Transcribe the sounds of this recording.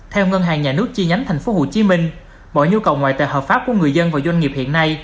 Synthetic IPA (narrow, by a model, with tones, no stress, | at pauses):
t̪ʰɛ˧wŋə˧nɦaː˨˩ŋɲaː˨˩nɨ˦˥ək̚t͡ɕi˧ɲa˨˦jŋt̪ʰɛ˨˩ŋ̟fo˨˦ho̰˧˩t͡ɕi˨˦mï˧ŋ̟ | ɓɔ̰˧˩jɲu˧kə˨˩wŋwa̰ː˧˨jt̪a̰ː˧˨jhɦəː˨˩pfaː˦˥p̚ku˧˩əŋɨ˨˩əjzə˧nvaː˨˩wzwa˧ŋ̟ŋi˨˩əp̚hḭ˧˨ənːa˧j